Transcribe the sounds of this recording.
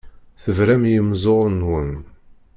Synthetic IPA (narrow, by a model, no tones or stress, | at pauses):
θəvɾæmjəmzˤoʁˤnwən